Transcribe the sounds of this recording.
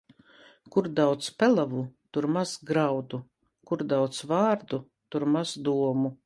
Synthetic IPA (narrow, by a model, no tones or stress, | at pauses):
kuɾd̪awt̪spʲɛlˠavut̪uɾmaz̥ɡɾawd̪u | kuɾd̪awt̪svaːɾd̪u | t̪uɾmazd̪uɔmu